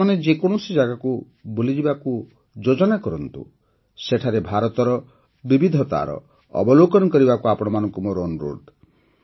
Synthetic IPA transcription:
aned͡ʒekɔɽ̃ɔsid͡ʒaɡaku | bolid͡ʒibaku | d͡ʒod͡ʒɔnakɔɾɔnt̪ṵ | seʈʰaɾebʱaɾɔt̪ɔɾɔ | bibid̪ʱɔt̪a̰ɾɔ̰ | ɔ̰bɔlokɔnɔkɔɾibakuapɔɽ̃ɔmanɔŋkumɔɾonɾo̰ɖ

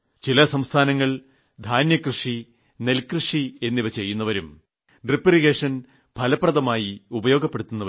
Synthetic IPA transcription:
t͡ɕilɐsɐmst̪ʰaːnɐŋːɐɭ | d̪ʱaːnjɐkrɨʂi | ne̞lkrɨʂie̞nːiʋɐt͡ɕe̞jːunːɐʋɐɾum | ɖripːiriɣeːʂɐn | pʰɐlɐprɐðɐmaːjiubɐjo̞ːɡɐpːe̞ɽut̪ːunːɐʋ

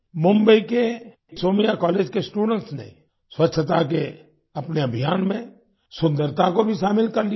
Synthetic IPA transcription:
mʊ̃mbəike | soːmijakɔːleːd͡ʒkesʈuːɖə̃ɳʈsnḛ | swətːʃʰət̪ak̬e | ɐpneɐbʱijaːnmẽ | sʊ̃nd̪əɾt̪ʰakobʱiʃaːmɪlkɐɾli

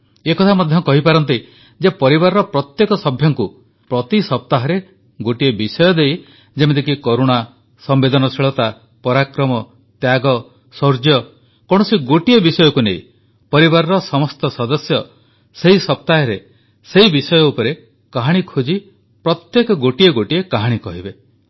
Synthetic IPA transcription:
ekɔt̪ʰamɔd̪ʱjɔkɔɦipaɾɔnt̪̬i | d͡ʒepɔɾibaɾɔɾɔpɾɔt̪jekɔsɔbʱjɔŋku | pɾɔt̪isɔp̚t̪aɦɔɾe | ɡoʈiebisɔjɔd̪ej | d͡ʒemed̪ik̬ikoɾuɽ̃a | sɔmbed̪ɔnɔsiɭɔt̪a | pɔɾakɾɔmɔ | t̪jaɡɔ | sɔɾd͡ʒjɔ | kɔ̃ɔsiɡoʈiebisɔjɔkuneḭ̃ | pɔɾibaɾɔɾɔsɔmɔst̪ɔsɔd̪ɔsjɔ | seɦisɔp̚t̪aɦɔɾe | seɦibisɔjɔupɔɾe | kaɦaɽ̃ikʰod͡ʒi | pɾɔt̪jekɔɡoʈieɡoʈiekaɦaɽ̃ikɔɦibe

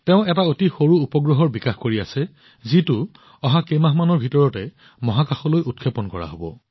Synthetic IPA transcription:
teʊ̃ɛtaotixoɹuupɔɡɹɔɦɔɹbikaxkoɹiasɛ | zitʊ | ɔɦakemaɦmanɔɹbʱitɔɹɔtɛ | mɔɦakaxɔlojʔut̚kʰepɔnkɔɹa̰ɦobɔ̰

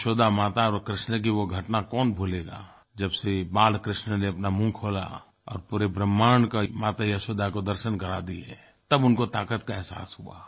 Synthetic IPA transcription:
ʃoːd̪amaːt̪aɔːɾkɾɪʃnək̬iʋoɡʱɐʈnakɔːnbʱuːleːɡa̰ː | d͡ʒɐbsebaːlkɾɪʃnəneɐpnamũːkʰoːla̰ | ɔ̰ːɾpuːɾebɾəmːaːnkamaːt̪ajaʃoːd̪akod̪əɾʃənkɐɾad̪iɦɛ̰ | t̪ɐbʊnkot̪aːkət̪kaɛɦsa̰ːsɦua̰ː

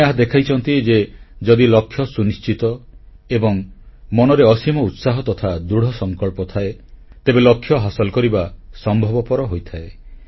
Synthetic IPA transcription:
aɦad̪ekʰajt͡ʃʰɔnt̪id͡ʒed͡ʒɔd̪ilɔkʰːjɔsunist͡ʃit̪ɔ | ebɔŋmɔnɔɾeɔsimɔut̪saɦɔt̪ɔt̪ʰad̪ɾuɽ̤ɔsɔŋkɔɭpɔt̪ʰaet̪ebelɔkʰːjɔɦasɔlkɔɾibasɔmbʱɔbɔpɔɾɔɦojt̪ʰae

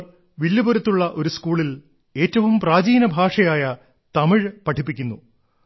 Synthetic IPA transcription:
ʋilːuboɾɐt̪ːuɭːɐʔo̞ɾuskuːɭil | e̞ːtːɐʋumpraːd͡ʑiːnɐbʱaːʂɐjaːjɐ | t̪ɐmiɻpɐʈʰipːikʲːunːu

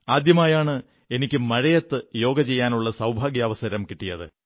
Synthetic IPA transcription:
aːd̪jɐmaːjaːɳɨ | e̞nikʲːumɐɻɐjɐt̪ːɨjo̞ːɡɐt͡ɕe̞jːaːnuɭːɐsɐwbʱaːɡjɐːʋɐsɐɾɐmkiʈːijɐðɨ̰

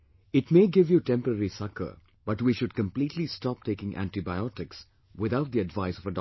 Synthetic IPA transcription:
ɪʈmeːɡɪʋjuʈɛ̃mpəɾəɾisʌkə̰˞ | b̥ʌʈʋiʃʊɖ̚kə̃mpliːʈlistɔp̚ʈʰeɪkɪ̃ŋʔæ̰̃nʈibaɪɔʈɪks | wɪðaʊt̪̚d̪iədʋaɪsɔvəd

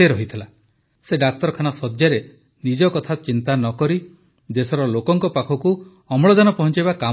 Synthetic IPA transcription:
eɾɔɦit̪ʰila | seɖak̚t̪ɔɾɔkʰanasɔd̪jaɾe | nid͡ʒɔkɔt̪ʰat͡ʃint̪anɔkɔɾi | d͡ʒ̪esɔɾɔlokɔŋkɔpakʰɔku | ɔmɭɔd̪anɔpɔɦɔnt͡ʃajbaka

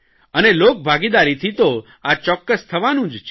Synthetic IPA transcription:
ənelok̚bʱaɡid̪aɾit̪ʰit̪o | at͡ʃɔkːəst̪ʰəʋanũd͡ʒt͡ʃʰ

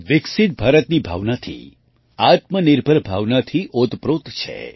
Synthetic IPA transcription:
ʋɪksɪt̪̚bʱaɾət̪nibʱa̰ʋnat̪ʰḭ | at̪mənɪɾbʱəɾbʱaʋnat̪ʰiʔot̪pɾot̪t͡ʃʰḛ

